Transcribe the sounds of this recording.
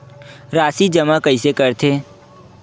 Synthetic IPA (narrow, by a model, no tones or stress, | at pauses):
ɾaːsid͡ʒɐmakəisekɐɾt̪ʰeː